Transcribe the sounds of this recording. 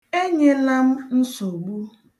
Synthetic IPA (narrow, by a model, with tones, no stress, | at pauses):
e˦ɲe˦la˦m̩˦n̩˦so˨ɡ͡bu˦